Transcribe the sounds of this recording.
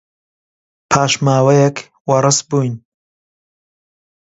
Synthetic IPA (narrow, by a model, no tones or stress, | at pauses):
pʰaːʃmaːwɐjɛk | wɐɾɨsbuːjn